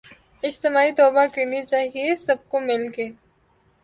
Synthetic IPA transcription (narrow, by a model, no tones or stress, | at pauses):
ɪd͡ʒt̪ɪmaːit̪ɔːbakɐɾnit͡ʃaːɦiesɐb̚komɪlke